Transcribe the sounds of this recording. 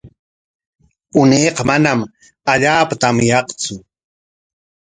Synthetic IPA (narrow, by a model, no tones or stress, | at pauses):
ʊnejqɑmanam | aʎaːpat̪amjɑqt͡sʊ